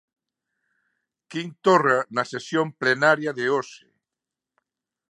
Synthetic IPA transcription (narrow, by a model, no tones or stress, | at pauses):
kint̪oranɐsesjomplenaɾjaðeosḛ